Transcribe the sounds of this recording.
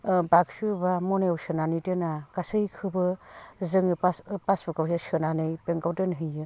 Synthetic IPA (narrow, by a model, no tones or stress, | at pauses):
baksɯbamɔnajawsɯnanitɯnakasɯjkʰɯbɯzɯŋɯapasbɯkawsesɯnanɯjpeŋkawtɯnɦɯjɯ